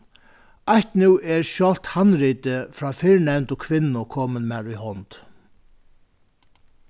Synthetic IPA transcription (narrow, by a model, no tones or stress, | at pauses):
ajht̪nuːɛɹʃjɔl̥t̪hanːɾiːt̪ɪfɾaːfɪɹɳɛnt̪ʊkʰʋɪnːʊkʰɔːmɪnmaɾuhɔnt̪